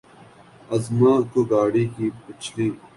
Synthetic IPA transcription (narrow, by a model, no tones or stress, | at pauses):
ɐzmãːkoːɡaːɽiːkiːpɪt͡ʃʰliː